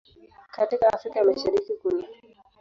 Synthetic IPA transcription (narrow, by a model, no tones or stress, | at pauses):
katika̰ːfɾikamaʃaɾikikuni